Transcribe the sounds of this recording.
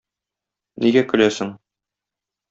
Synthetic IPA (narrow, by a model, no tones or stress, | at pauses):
nʔiɡækɵ̆læsɘŋ